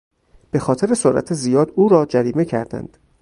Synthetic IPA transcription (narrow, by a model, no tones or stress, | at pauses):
b̥e̞xɒːt̪ʰe̞ɾe̞soɾʔæ̰t̪ʰezijɒːd̪uːɾɒːd͡ʒæɾiːme̞cʰæɾd̪æ̰nd̪̥